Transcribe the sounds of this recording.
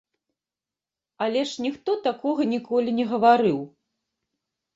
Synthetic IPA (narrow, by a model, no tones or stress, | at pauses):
ɐlʲɛʂnʲixt̪ɔt̪akɔɣɐnʲikɔlʲinʲɛɣɐvaɾɨw